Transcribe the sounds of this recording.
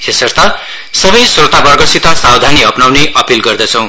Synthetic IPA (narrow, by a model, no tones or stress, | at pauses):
esʌrt̪ʌ | sʌbʌjsot̪abʌɡʌsit̪ʌsawd̪ʱaniɦʌpnawneʔʌpilɡʌrd̪ʌt͡sʰʌ̃w̃